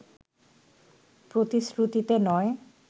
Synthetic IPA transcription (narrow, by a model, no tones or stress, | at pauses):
pɾot̪isɾut̪it̪enɔe